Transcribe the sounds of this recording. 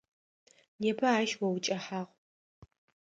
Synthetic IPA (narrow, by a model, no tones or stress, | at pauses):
neːpʰɐaːʃwɐwt͡ʃʼɐħaːʁ